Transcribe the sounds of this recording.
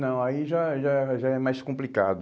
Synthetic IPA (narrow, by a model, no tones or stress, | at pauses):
nɐ̃w̃aiʒaʒaɛʒaɛmajskõplika̰d̪ʊ